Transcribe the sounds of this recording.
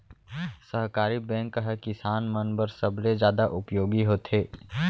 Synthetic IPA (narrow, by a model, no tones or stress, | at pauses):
səɦkaːɾibɛ̃ːŋkːəɦkɪsaːnmənbəɾsəbled͡ʒjaːd̪aʔʊpjoːɡiɦoːt̪ʰeː